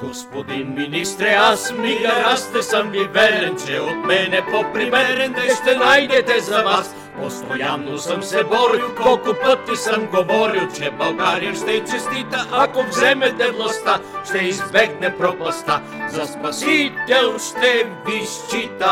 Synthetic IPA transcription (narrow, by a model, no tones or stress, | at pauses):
ɡ̥ospɔd̪inminist̪ɾɛasmiɡaɾast̪ɛsəmɡivɛlɛnt͡ʃɛot̪mɛnɛpopɾimɛɛnʃt̪ɛnajd̪ɛt̪ɛzavas | post̪ojanːosəmsɛbɔɾikokupət̪ːisəmɡovɔɾilˠt͡ʃɛbalˠɡaɾiʃt̪ɛt͡ʃɛst̪it̪aʔakovzɛmɛt̪ɛlˠast̪aʃt̪ɛizbɛɡnɛpɾopast̪a | zaspɐsit̪ɛlˠʃt̪ɛviʃt͡ʃit̪a